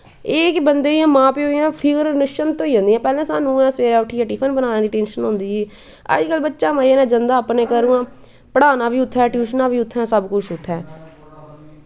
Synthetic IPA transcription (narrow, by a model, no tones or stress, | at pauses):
eːkbənd̪eːãːmãːpeːɦoãːpʰɪɡəɾnəʃənt̪õːiːõːnd̪iːɛ̃ːpɛːlẽːsaːnũːɛ̃ːsʋeːɾaːʈʰiːəʈiːpʰənbənaːnẽːd̪iːʈẽːnʃənɦõnd̪iːeː | ə̰d͡ʒkəlbətːʃaːmaːiɛːnɛ̃ːd͡ʒənd̪aːpnẽːkəɾũːãː | pəɽaːnaːbiːʊt̪ʰːɛːʈjuːʃnãːbiːʊt̪ʰːɛ̃ːsəbkʊt͡ʃʰʊt̪ʰːɛː